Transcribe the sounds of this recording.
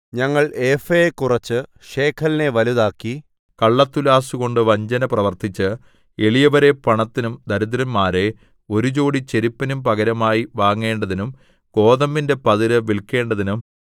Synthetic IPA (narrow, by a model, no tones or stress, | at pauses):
ɲɐŋːɐɭefejekurɐt͡ɕːɨ | ɕe̞ːkʰɐline̞ʋɐluðaːkːi | kɐɭːɐt̪ːulaːsuɣo̞ɳɖɨʋɐɲd͡ʑɐnɐprɐʋɐrt̪it͡ɕːɨ | e̞ɭijɐʋɐɾe̞pɐɳɐt̪ːinumd̪ɐɾud̪ɾɐnmaːɾe̞ | o̞ɾut͡ɕo̞ːɽit͡ɕe̞ɾipːɐnumpɐɣɐɾɐmaːjiʋaːŋːe̞ːɳɖɐðinum | ko̞ːðɐmːinde̞pɐðiɾɨʋilkːe̞ːɳɖɐðinum